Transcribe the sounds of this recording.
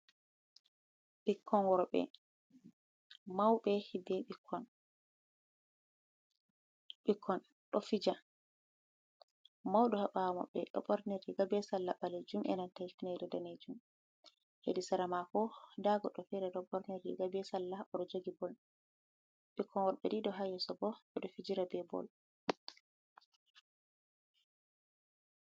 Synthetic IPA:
ɓikʰːɔnwɔɾɔɓɛ̰ | mawɓɛhibɛɓikʰːɔn | ɓikʰːɔn | ɗɔfid͡ʒa | mawɗɔhaɓamɔ̰ɓɛ̰ɗɔ̰ɓɔɾneɾiɡabɛsalːabaled͡ʒumʔɛ̰nantajfineɾɛdaned͡ʒum | hḛdisaɾamakɔdaɡɔɗɔfɛɾɛɗɔɓɔɾneɾiɡabɛsalːaʔɔɗɔd͡ʒoɡibɔl | ɓikʰːɔnwaɗɓɛdiɗɔɦajɔsɔbɔɓɛɗɔfid͡ʒiɾabɛbɔ̰l

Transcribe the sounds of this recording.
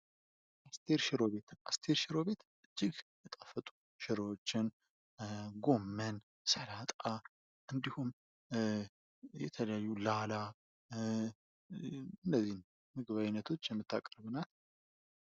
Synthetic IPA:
ʔast̪ʰeɾʃɪɾo̞βe̞t̪ast̪ʰeɾʃɪɾo̞βe̞t̪ʔɨd͡ʒːɪɡjɛt̪ʼəfːət̪ʼu̥ | ʃɪɾoot͡ʃːɪn | ɡo̞mːən | səlat̪ʼa | ʔɨnd̪ihum | jɛt̪ʰələjajːulala | ɨnːəzːihn | mɨɡɨβajɪnːət̪ʰo̞t͡ʃːjɛmːɨt̪ʰːakʼɾɨβɨnal

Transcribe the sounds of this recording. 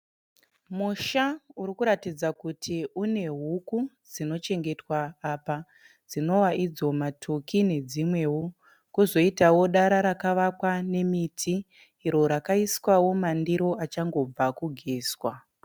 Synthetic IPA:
muʃauɾikuɾatid͡zakutʰiune̞ɦuku | d͡zino̞t͡ʃe̞ŋɡe̞twaːpa | d͡zino̞waʔid͡zo̞matʰokine̞d͡zimwe̞wu | kuzo̞itawo̞ɗaɾaɾakaʋakwane̞mitʰiː | ɾo̞ɾakaiskwawo̞mandiɾo̞ʔat͡ʃaŋɡo̞b͡vakuɡʱeːswa

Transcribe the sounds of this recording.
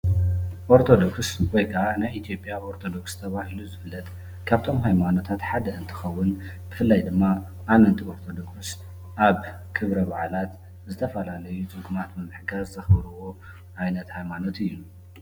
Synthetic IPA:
ʔo̞ɾt̪ʰo̞d̪o̞kswɔjkʰɐʔanajʔit̪ʰijo̞pʼjaʔoɾt̪ʰo̞d̪o̞kst̪ʰɐβahiluzɨfɨlːɐt̪ | kʰaβt̪ʰo̞mɦajmano̞t̪ʰat̪ħad̪ɐʔɨnt̪ʰɨ̥xɐwːʊn | b̥ɨfɨlːajd̪ɨmːa | ʔːmɨnt̪ʰio̞ɾt̪ʰod̪o̞ks | ʔaβ | kʰɨβɾɐβaʕalat̪ | zɨt̪ʰɐfɐlalɐjut͡sʼɨŋɡumat̪mɨmɨħɡazzɐxbɐɾuwo̞ | ʔajnɐt̪hajmano̞t̪ɨjːu

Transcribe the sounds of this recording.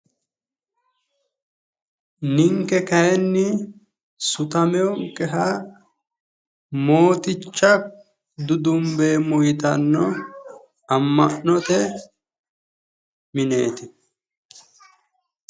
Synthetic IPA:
nɪŋkːɛkɐjɛnːɪ | sʊt̪ɐmɛwɔŋkʼːɛɦɐ | mo̞ːt̪ɪt͡ʃːɐ | d̪ʊd̪ʊmbeːmʊjɪt̪ɐnːɔ | ɐmːɐʔnɔt̪ɛ | mɪne̞ːt̪ɪ

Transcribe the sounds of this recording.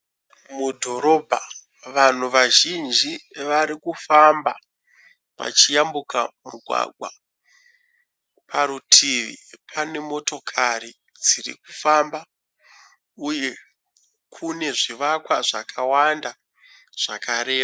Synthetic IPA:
mudʱo̞ɾo̞bʱa | ʋan̤uʋaʒind͡ʒiʋaɾikufamba | ʋa̰t͡ʃijambukamuɡʱwa̰ɡʱwa̰ | pʰaɾutʰiʋḭpʰane̞mo̞to̞kʰaɾi | d͡zirḭkufamba | uje̞ | kʰune̞ʐiʋakwaʐakʰawanda | ʐ̥akaɾeːpa

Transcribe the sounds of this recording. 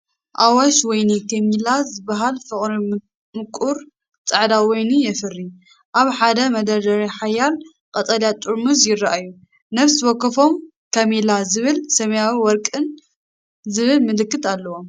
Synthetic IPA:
ʔawaʃwɔjnikʰɐmilazɨbːaɦalfɨχʼɾi | mɨkʼuɾ | t͡sʼɐʕd̪awɔjnijɛfɨrːi | ʔaβħad̪ɐmɐd̪ɐɾd̪ɐɾiħajal | kʼɐt̪ʼɐljat̪ʼuɾmuzjɪrːaʔajːu | nɐβswɔkːɐfo̞m | kʰɐmilazɨβɨlsɐmɐjawiwɔɾkʼɨn | zɨβɨlmɨlɨkːɨt̪alːɐwom

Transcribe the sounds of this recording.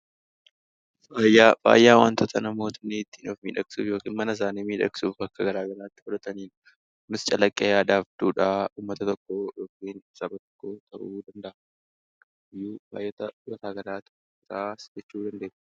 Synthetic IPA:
faːjaːfa̰ːjːaːwant̪ɔt̪ʰɐnɐmo̞ːt̪ɐnːit̪ːiːnofmḭːᶑɐksṵːfjo̞ːkiːnmɐnɐɪs̬aːniːmiːᶑɐ̰kʼsuːfɐkːɐɡɐɾaːɡɐlaːt̪ːɪ̥hɔd̪ɐt̪ɐniːn | nɪst͡ʃʼɐlɐkʼːɐjaːd̪aːfd̪uːᶑaːuːmːɐt̪ɐt̪ɔkːo̞ːjoːkiːnsɐbɐt̪ɔ̥kːoːt̪ʰɐʔuːd̪ɐnd̪ɐʔɐ | ɪjːuːba̰ːjːɐt̪ɐjɐt̪aːɡɐlaːt̪ɪ̥ | ɪɾaːsd͡ʒɛt͡ʃːuːd̪ɐnd̪eː

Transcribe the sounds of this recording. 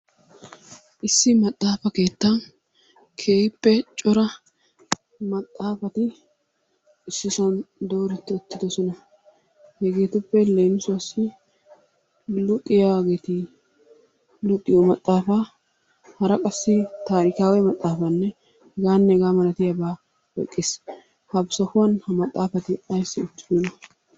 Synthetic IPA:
ʔɪsːɪmɐt̪ʼːaːfɐke̞ːt̪ːɐn | kʰe̞ːhɪpːɛt͡ʃʼɔɾɐ | mɐt̪ʼːaːfɐt̪ɪ | ɪsːɪsɐnd̪o̞ːɾɪt̪ːɪɔt̪ːɪd̪ɔsɔnɐ | hɛɡe̞ːt̪ʊpːɛle̞ːnʊsʊwɐsːɪ | lʊkʼːɪjɐwaːɡeːt̪ɪ | lʊkʼːɪjɔmɐt̪ʼːaːfa | hɐɾɐkʼɐsːɪt̪aːɾɪkaːwɛmɐt̪ʼːaːfɐnːɛ | hɛɡaːnːɛɛɡaːmɐlɐt̪ɪjɐbaː | wɔ̰kʼːeːs | hɐbsɐfʊwɐnhɐmɐt̪ʼːaːfɐt̪ɪɐjsːɪɔt̪ːɪd̪ɔnɐ

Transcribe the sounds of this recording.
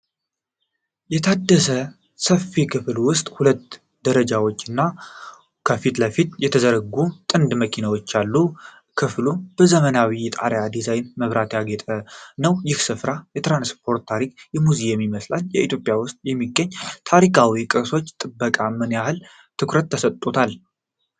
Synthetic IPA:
jɛt̪ʰad̪ːəsə | səfːikʰɨflwʊst̪ʼhulət̪ | d̪əɾəd͡ʒawo̞t͡ʃːɨnːa | kʰəfit̪ləfit̪jɛt̪ʰəzəɾəɡut̪ʼɨnd̪məkʰinawo̞t͡ʃːalːu | kʰɨflub̥əzəmənawijɛt̪ʼa̰ɾjad̪izajnməβɾat̪jaɡet̪ʼənəwjɪhsɨfɾajɛt̪ɾanspʰo̞ɾt̪t̪ːʰaɾik̚jɛmuzijɛmːiməslaljɛ̰ʔit̪ʰjo̞pʼjawʊst̪ʼjɛmːiɡːəɲːt̪ʰaɾikʰawikʼɨso̞t͡ʃːt̪ʼɨbːəkʼamɨnjahɨl | t̪ʰɨkɾət̪ːʰəsət̪ʼːot̪ʰal

